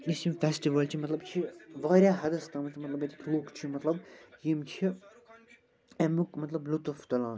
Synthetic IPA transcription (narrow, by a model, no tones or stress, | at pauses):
isimfɛsʈiʋɐlt͡ʃʰimɐt̪lɐbt͡ʃʰiʋaːɾʲjaːɦɐd̪ɐst̪amɐt̪imɐt̪lɐbjet̪ikʰluːkt͡ʃʰimɐt̪lɐbjimt͡ʃʰi | ɛmukmɐt̪lɐblut̪uft̪ɐlãːn